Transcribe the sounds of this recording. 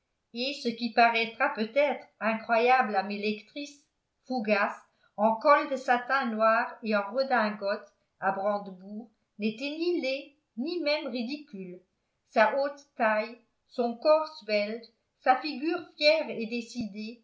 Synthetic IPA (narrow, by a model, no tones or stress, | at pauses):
esəkʲipaʁɛt̪χapøt̪ɛt̪χɛ̃kχwajablamelɛkt̪χis | fuɡas | ɑ̃kɔld̪əsat̪ɛ̃nwaːʁeɑ̃ʁəd̪ɛ̃ɡɔt̪ | abʁɑ̃d̪buːʁ | net̪ɛnile | nimɛmʁid̪ikʲyl | saʔot̪ːaj | sɔ̃kɔʁswɛl | safiɡʲyːʁfjɛʁed̪esid̪e